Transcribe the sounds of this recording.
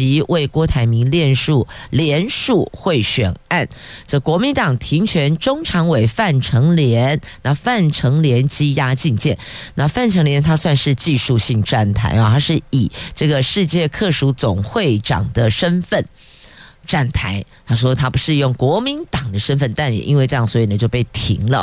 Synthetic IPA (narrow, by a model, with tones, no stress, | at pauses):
i˧˥wʔe˥˩ɪkwɔ˥t̪ʰa˧˥ɪmi˧˥ŋljɛ˥˧nʂu˥˩ljɛ˧˥nʂu˥˧xwe˥˩ɪɕɥɛ̰˨˩na˥˩nʈ͡ʂə˥˩kwɔ˧˥mi˧˥nt̪ɑ˨˩ŋt̪ʰi˧˥ŋt͡ɕʰɥɛ˧˥nʈ͡ʂʊ˥ŋʈ͡ʂʰɑ˧˥ŋwe˨˩ɪfa˥˩nʈ͡ʂʰɤ˧˥ŋljɛ˧˥nna˥˧fa˥˩nʈ͡ʂʰɤ˧˥ŋljɛ˧˥nt͡ɕi˥ja˥t͡ɕi˥˧ŋt͡ɕjɛ˥˩nna˥˧fa˥˩nʈ͡ʂʰɤ˧˥ŋljɛ˧˦nt̪ʰa˥swa˥˧nʂɻ̩˥˧t͡ɕi˥˧ʂu˥˧ɕi˥˧ŋʈ͡ʂa˥˩nt̪ʰa̰˧˥ɪa˧t̪ʰa˥ʂɻ̩˥˩i˨˩ʈ͡ʂɤ˥˩ɡə˩ʂɻ̩˥˧t͡ɕjɛ˥˧kʰɤ˥˩ʂu˧˥t͡sʊ˨˩ŋxwe˥˩ɪʈ͡ʂɑ̰˨˩ŋd̪ə˦ʂə˦˥nfə˥˨˩n | ʈ͡ʂa˥˩nt̪ʰa˧˥˦ɪ | t̪ʰa˥ʂ̬wɔ˥t̪ʰa˥pu˧˥ʂɻ̩˥˧jʊ˥˩ŋkwɔ˧˥mi˧˦nt̪ɑ˨˩ŋd̪ə˦ʂə˥nfə˥˩nt̪a˥˩nɛ̰˨˩ʔḭ˦nwe˥˧ɪʈ͡ʂjɑ˥˩ŋswɔ˧˥i˨˩nə˩t͡ɕjo˥˧ʊpe˥˩ɪt̪ʰḭ˧˥ŋlə̰˧